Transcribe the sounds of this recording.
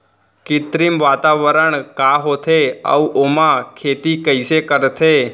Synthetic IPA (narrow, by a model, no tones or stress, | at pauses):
kɪt̪ɾimʋat̪aʋəɾəɳkaɦot̪ʰeə̰uʔomãkʰet̪ikəisekəɾt̪ʰe